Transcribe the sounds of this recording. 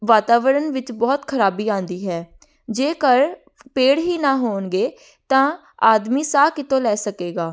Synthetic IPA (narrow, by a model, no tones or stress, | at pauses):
ʋaːt̪aːʋəɾənʋɪt͡ʃbɔːt̪kʰəɾaːbiːãːnd̪iːɦɛː | d͡ʒeːkəɾ | peːɽɦiːnãːɦoːnɡeː | t̪ãː | aːd̪miːsaːkɪt̪õːlɛːsəkeːɡaː